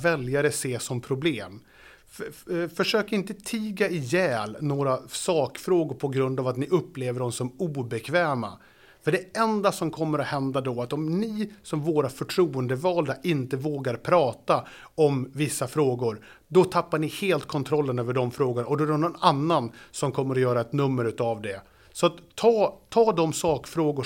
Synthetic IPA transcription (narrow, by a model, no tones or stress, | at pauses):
vɛljaɾəseːsɔmpʰɾʊbleːm | fœʂøːkaɪnt̪ət̪ʰiːɡaɪjɛːlnoːɾasɑːkfɾoːɡʊɾpʰɔɡɾɵnd̪avat̪nɪʔɵpːleːvəɖɔmsɔmuːbɛkʰvɛːma̰ | fœɖɛɛnd̪asɔmkʰɔmːəɾɔhɛnd̪ad̪ɔat̪ɔmnɪsɔmvoːɾafœʈʰɾuːənd̪əvɑːld̪aʔɪnt̪əvoːɡaɾpʰɾɑːt̪a | ɔmvɪsːafɾoːɡʊɾ | d̪ɔt̪ʰapːaɳɪheːlt̪̚kʰɔnt̪ʰɾɔlːənøːvəɖɔmfɾoːɡʊɳaɔd̪ɔæɖɛnɔnanːansɔmkʰɔmːəɾɔjœːɾaɛt̪nɵmːəɾʉ̟ːt̪avd̪ɛ | sɔat̪ʰːɑːt̪ʰɑːd̪ɔmsɑːkfɾoːɡʊ